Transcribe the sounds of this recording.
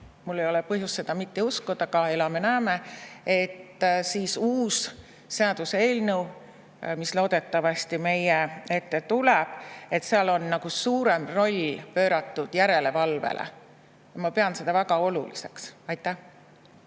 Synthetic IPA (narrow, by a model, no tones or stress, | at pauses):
mulːejo̞lepɤɦjusːe̞d̪̥ɑmit̪ːiuskud̪̥ɑɡɑe̞lɑme̞næːme̞e̞t̪ːˑsiːsuːsː | e̞ɑd̪̥use̞ːlnew | mislo̞ːd̪̥e̞t̪ːˑɑvɑst̪ime̞jee̞t̪ːet̪uleb̥e̞t̪seɑlo̞nːɑɡ̥usuːɾe̞mro̞lʲpø̞ːɾɑt̪ːud̪̥jæɾe̞le̞vɑlvḛlʔḛ | jɑmɑpe̞ɑnse̞d̪̥ɑvæɡ̥ɑo̞lṵlḭse̞ksɑjt̪ːˑæh